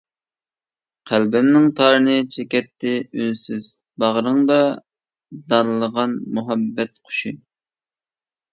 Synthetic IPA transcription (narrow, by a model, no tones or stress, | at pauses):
qʰælbɪmnɪŋt̪ʰɑːɾɨnɨt͡ʃʰekʲɛt̪ʰːɪynsyz̥ | bɑʁɾɨŋd̪ɑ | d̪ɑnɨlˠəʁɑnmuɦɑbːɛt̪̚qʰo̥ʃi